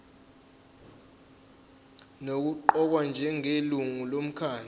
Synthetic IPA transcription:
nok̬uǃɔk̬wand͡ʒʱɛŋeluŋulom̩kʰaːni

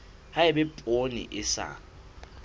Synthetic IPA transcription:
hajɛbɛpʼonḭʔɪsa̰

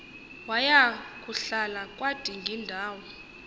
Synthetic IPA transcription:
wajak̬ʼuɬalakʼwad̥ʱiŋɡʱindʱaːwɔ

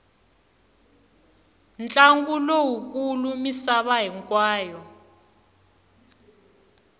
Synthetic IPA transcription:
nt͡ɬʼaŋɡulowuk̬ʼulumisaɓaɦɛŋkʼwaːjɔ

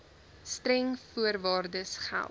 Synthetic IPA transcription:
stɾɛŋfuərvɑːrdəsχæ̰lˠ

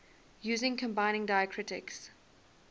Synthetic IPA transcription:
jʉːzɪ̃ŋkʰə̃mbaɪ̃ñɪ̃ŋdaɪəkʰɹ̥ɪtɪ̰ks

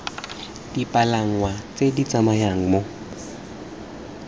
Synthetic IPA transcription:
d̥ipʼalaŋ̩wat͡sʼedit͡sʼamajaŋ̩mo

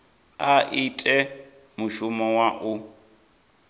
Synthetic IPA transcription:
aʔitʼɛ | muʃumɔwaʔu

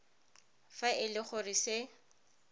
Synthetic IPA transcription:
faʔɪlɪχʊrisɪ

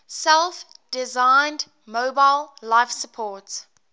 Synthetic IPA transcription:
sɛlˠfd̥ɪzãɪnd | moʊbaɪlˠːaɪfsəpʰɔːˑts

